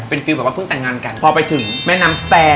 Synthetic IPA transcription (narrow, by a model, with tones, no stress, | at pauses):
pe˧nfi˧wbɛː˨˩wa˦˥pʰːŋt̪ɛː˨˩ŋaː˧nka˧npʰɔː˧pa˧jt̪ʰɯ˨˩˦ŋmɛː˥˩˨naː˦˥mst̪ɛː˧